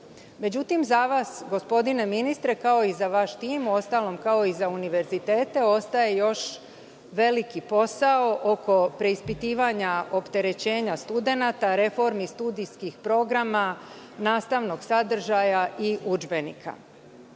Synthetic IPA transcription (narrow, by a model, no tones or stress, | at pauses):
me̞d͡ʑut̪imzaʋasɡo̞spo̞d̪ine̞minist̪ɾe̞kao̞izaʋaʃt̪iːmuo̞st̪aːlo̞mkao̞izauniʋe̞ɾzit̪e̞ːt̪e̞o̞st̪aje̞jo̞ʃ | ʋe̞likipo̞sao̞ʔo̞ko̞pɾe̞ispit̪iːʋaɲaʔo̞pt̪e̞ɾe̞t͡ɕe̞ːɲast̪ud̪e̞nat̪aɾe̞fo̞ɾmist̪ud̪iskixpɾo̞ɡɾama | naːst̪aʋno̞ɡsad̪r̩ʒajaʔiud͡ʒbe̞nḭkʰa̰